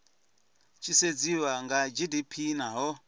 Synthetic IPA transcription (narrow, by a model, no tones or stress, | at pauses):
t͡ʃʰised͡ziwaŋɡad͡ʒidipʰinaɦɔ